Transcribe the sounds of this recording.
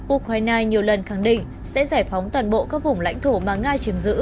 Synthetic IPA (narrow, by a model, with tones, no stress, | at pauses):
ʔu˧kwaː˧jnaː˧ɲi˨˩əwlə˨˩nxa˧˩ŋɗḭ̈˧˨ŋ̟ | sɛ̰˧˥zaː˧˩jfɔ˨˦wŋ͡mt̪waː˨˩nɓo̰˧˨kaː˦˥k̚vʊ˨˩ŋ͡mla̰˧˥jŋt̪ʰo˧˩maː˨˩ŋaː˧t͡ɕi˨˦əmzɨ̰˧˥